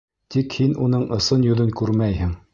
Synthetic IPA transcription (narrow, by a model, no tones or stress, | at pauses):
t̪ikhinunɤɴɤ̆sɤnjŭðɤŋkʉɾmæjhɘŋ